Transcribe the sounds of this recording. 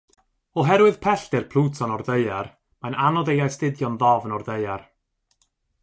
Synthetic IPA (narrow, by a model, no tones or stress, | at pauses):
ɔɦɛɾwɨð̥pʰɛɬd̥ɪrpʰl̥ˠuːtʰɔnɔrðeɨar | mananɔdejajstɪdjɔnðɔvənɔrðejar